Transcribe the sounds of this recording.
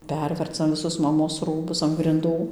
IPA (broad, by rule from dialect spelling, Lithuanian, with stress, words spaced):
ˈpʲɛrʲʋʲɛrt͡sɐm ʋʲɪˈsʊs mɐˈmoːs ˈruːbʊs ɐn ɡrʲɪnˈduː